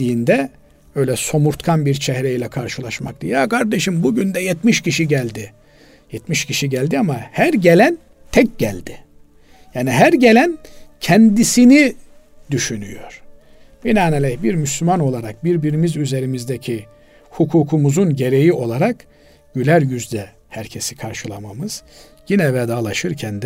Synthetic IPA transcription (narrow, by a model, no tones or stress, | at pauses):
ijind̪ɛ | ø̞jlʲɛso̞muɾt̪kʰanbiɾt͡ʃʰɛhɾeilʲɛkʰaɾʃɯlˠaʃma̰kt̪ɯjakʰaɾd̪eʃimbuɟynd̪ɛjɛt̪miʃciʃiɟælʲd̪ɪ | jɛt̪miʃcʰiʃiɟælʲd̪iamahæɾɟe̞lʲæn | t̪ʰɛc̚ɟælʲd̪ɪ | jaːniɦæɾɟe̞lʲæncʰɛnd̪isini | d̪̥yʃyny̰jo̞̰ɾ̥ | binaːnalʲɛçbiɾmyslʲymano̞lˠaɾak̚biɾbiɾimizyze̞ɾimizd̪ecʰi | hukʰuːkʰumuzunɟe̞ɾe̞jiʔo̞lˠaɾak | ɟ̥ylʲæɾjyzd̪ɛ | hæɾcʰe̞si̥kʰaɾʃɯlˠa̰mamɯz̥ | jinɛvɛd̪aːlˠaʃɯɾcʰɛnd̪ɛ